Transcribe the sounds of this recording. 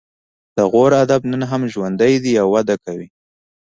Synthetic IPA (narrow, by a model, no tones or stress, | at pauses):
d̪̥əɣoɾad̪abnənɦamʒwand̪əjd̪iawːad̪akawi